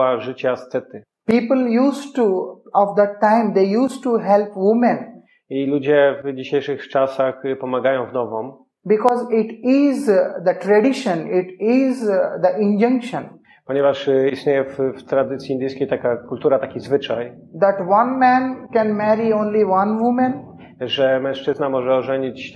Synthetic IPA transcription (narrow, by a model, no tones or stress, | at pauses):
aʐɨt͡ɕast̪sɛt̪ɨ | piːpəljuːsʈuɔfd̪əʈːãɪ̃md̪eːjuːsʈuɦɛlpʋʊmə̃n | ilud͡ʑɛvd͡ʑiɕejʂɨxt͡ʂasaxpɔmaɡajɔ̃w̃vnɔvɔ̃m | bɪkɔːzɪʈɪzd̪əʈɾɛɖɪʃə̃nɪʈɪzd̪əʔɪ̃nd͡ʒʌ̃ŋkʃə̃n | pɔɲɛvaʂist̪ɲejɛfft̪ɾad̪ɘt̪sʲjiːnd̪ʲejskʲejt̪akakult̪uɾat̪akʲizvɘt͡ʂaj | d̪æʈʋʌ̃nmɛ̃nkɛ̃nmɛɾiõːnliʋɐ̃nʋʊmə̃n | ʐɛmɛ̃w̃ʂt͡ʂɘznamɔʐɛɔʐɛɲit͡ɕ